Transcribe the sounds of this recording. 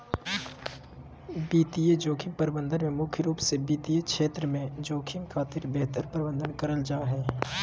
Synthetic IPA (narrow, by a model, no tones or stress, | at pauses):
biːt̪ied͡ʒoːkʰɪmpəɾɪbə̃nd̪ənmẽmʊkʰjəɾuːpsebiːt̪iekʰʃʰeːt̪ɾəmẽd͡ʒoːkʰɪmkʰaːt̪ɪɾbeːɦt̪əɾpəɾɪbə̃nd̪ənkɐɾəld͡ʒaːɦɛː